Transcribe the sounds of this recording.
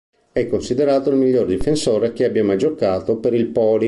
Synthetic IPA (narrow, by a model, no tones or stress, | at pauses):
ɛkːonsid̪eɾaːt̪oilmiʎːord̪ifensoːɾeak̟eabjamad͡ʒokːaːt̪opeɾilpɔːli